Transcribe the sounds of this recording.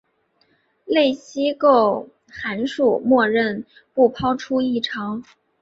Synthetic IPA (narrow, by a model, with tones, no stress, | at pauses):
le˥˩ɪɕi˥ko˥˩ʊ | xa˧˥nʂu˥˩mwɔ˥˧ɻə˥˧n | pu˥˩pʰɑ˥ʊʈ͡ʂʰu˥i˥˩ʈ͡ʂʰɑ˧˥ŋ